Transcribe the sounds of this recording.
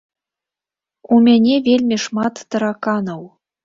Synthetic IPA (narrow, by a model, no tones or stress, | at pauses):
umʲenʲevʲelʲmʲiʂmɑt̪ːɤ̆ɾɑkɑnɤw